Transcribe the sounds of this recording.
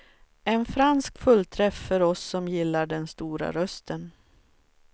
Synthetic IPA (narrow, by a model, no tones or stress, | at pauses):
ɛnfɾanskfɵlːt̪ʰɾɛfːœɾɔsːɔmjɪlːaɖɛnst̪uːɾa̰ɾœst̪ʰən